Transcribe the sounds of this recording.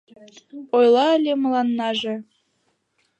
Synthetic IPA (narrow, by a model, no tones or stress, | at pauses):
ojlˠɑə̆lʲemɤ̆lˠɑnːɑʒĕ